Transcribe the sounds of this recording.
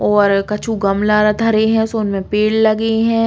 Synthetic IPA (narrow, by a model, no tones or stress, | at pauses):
ɔːɾkɐt͡ʃʰuɡɐmlaːɾad̪ʱɐɾeɦɛ̃soːnmẽpeːɽlɐɡeɦɛ̃ː